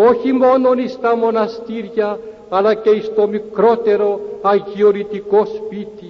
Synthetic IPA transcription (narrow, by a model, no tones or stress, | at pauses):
oçimononist̪amonast̪iɾjaː | lakeist̪omikɾot̪eɾoaɣioɾit̪ikospit̪i